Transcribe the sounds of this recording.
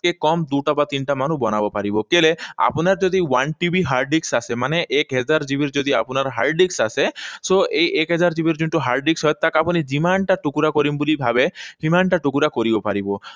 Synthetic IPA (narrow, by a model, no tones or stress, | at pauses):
ekɔmd̪uʈabat̪inʈamanubɔnabɔpaɾibɔkelea̰punaɾd͡ʒod̪iwanʈibʱiɦaɾɖiksasemaneʔɛkɦɛd͡ʒaɾd͡ʑibiɾd͡ʒod̪ia̰punaɾɦa̰ɾɖiksasesoʔejekɦɛd͡ʒaɾd͡ʑibiɾd͡ʒuɳʈuɦaɾɖiksɦɔjt̪ːakapunid͡ʑimanʈaʈukuɾakoɾimbulibʱabeɦimanʈaʈukuɾakoɾibɔpaɾibɔ